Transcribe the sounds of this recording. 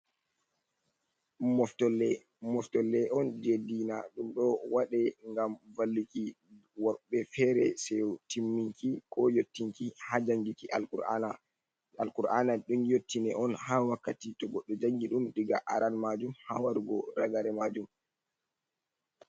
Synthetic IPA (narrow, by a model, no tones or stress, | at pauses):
mɔftɔlːɛ | mɔftɔlːɛʔɔnd͡ʒedinaɗumɗɔwaɗɛŋɡamvalːiki | waɓɛfɛɾɛsɛtimːiŋkikʰɔjotːiŋkihad͡ʒaŋɡikiʔaluɾana | alkuɾʔanaɗumjotːinɛʔɔnhawakːatitɔɡɔɗːɔd͡ʒaŋɡiɗumɗiɡa̰ʔaɾalmad͡ʒumha̰waɾɡɔɾaɡaɾɛmad͡ʒum